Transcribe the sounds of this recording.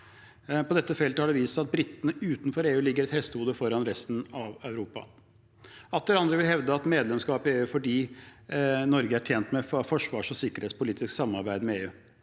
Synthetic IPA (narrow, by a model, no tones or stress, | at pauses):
pɔd̪ɛt̪ːəfɛlt̪əhɑɖɛʋiːsɑt̪̚bɾɪt̪ːənəʉːt̪nfɔɾeːʉːlɪɡːəɾɛt̪hɛst̪əhuːd̪əfɔɾɑnɾɛst̪n̩ɑʋœʉɾuːpɑ̰ | ɑt̪lɛɾɑnd̪ɾəʋɪlɦɛʋd̪əɑt̪meːd̪lɛmskɑːpɪeːʉːfɔɖiː | nɔɾɡəæʈʰjeːnt̪mɛfɔʂʋɑːʂɔsɪkːəɾheːt̪spʊliːt̪ɪsksɑmːɑɾbæɪd̪mɛeːʉː